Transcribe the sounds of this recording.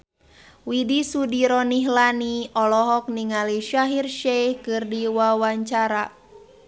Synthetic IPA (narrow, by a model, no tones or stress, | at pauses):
widisudiɾɔniɦlaniɔlɔɦɔk̚niŋaliʃaɦirʃɛhkɨrdiwawaɲt͡ʃaɾa